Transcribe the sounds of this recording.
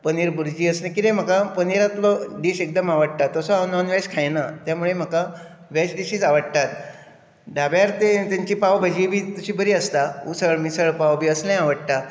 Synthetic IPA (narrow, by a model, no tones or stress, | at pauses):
pəniɾbuɾd͡ʑiːəsnẽkit̪ẽm̤əkapəniɾat̪lɔɖiɕek̚d̪əmaʋəɽt̪at̪ːɔsɔanɔnʋɛɕkʰajnat̪jamuɭem̤əka | ʋɛɕɖiɕiːd͡zaʋəɽt̪at̪ | ɖabjaɾt̪et̪jaɲt͡ɕiːpawbʱəd͡ʑiːbʱiːt̪uɕiːbəɾiːəst̪aṵsəɭmisəɭpawbʱiːəslẽaʋəɽt̪a